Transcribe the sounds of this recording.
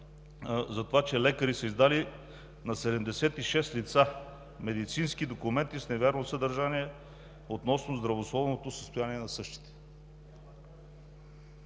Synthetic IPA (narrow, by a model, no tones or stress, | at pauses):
zɐt̪ovat͡ʃɛlɛkəɾisəizd̪ali | nɐsɛd̪ɛmd̪ɛsɛt̪iʃɛst̪lit̪sa | mɛd̪it̪sinskid̪okumɛnt̪isnɛvʲɛɾnosəd̪əɾʒaniɛ | ot̪nɔsnozd̪ɾɐvoslˠɔvnot̪osəst̪ojaniɛnɐsɤʃt̪i̥t̪ɛ̥